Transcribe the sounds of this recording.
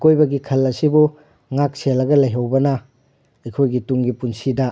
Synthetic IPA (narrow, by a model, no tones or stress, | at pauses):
kojbɐɡikʰɐlːɐsibu | ŋak̚selːɐɡɐlɐjɦɐwbɐnɐ | ɐjkʰojɡituŋɡipunsidɐ